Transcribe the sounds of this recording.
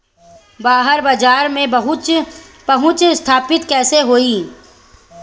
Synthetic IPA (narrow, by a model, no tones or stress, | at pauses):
baːɦəɾbad͡ʒaːɾmẽbɐɦʊ | pɐɦʊ̃t͡ʃst̪ʰaːpɪt̪kɛːseɦoːiː